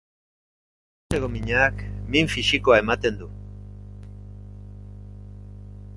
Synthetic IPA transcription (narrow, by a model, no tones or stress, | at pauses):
seɣomiɲaːkmiɱfiʃikoae̞mat̪e̞nd̪u